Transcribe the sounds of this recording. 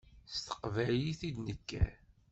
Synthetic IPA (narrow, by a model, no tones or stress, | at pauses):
st̪ə̥qvæjiθid̪nəkːæ̰